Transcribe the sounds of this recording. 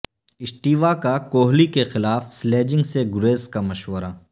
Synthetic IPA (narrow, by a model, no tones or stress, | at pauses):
ɪsʈiːʋakakoːɦlikexɪlaːfsleːd͡ʒɪ̃ŋɡseɡʊɾeːskamɐʃwəɾa